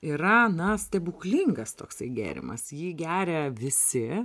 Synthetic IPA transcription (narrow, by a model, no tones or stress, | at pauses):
iːɾɐnɐsʲt̪ʲɛbʊklʲiŋɡɐst̪oːksɐɪɡʲæ̰ːɾʲɪ̰mɐ̰sjiːɡʲæːɾʲɛʋʲɪsʲɪ